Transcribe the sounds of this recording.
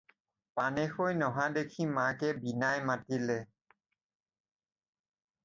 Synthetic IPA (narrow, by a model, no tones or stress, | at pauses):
panexojnɔɦad̪ekʰimãkɛbinajmatilɛ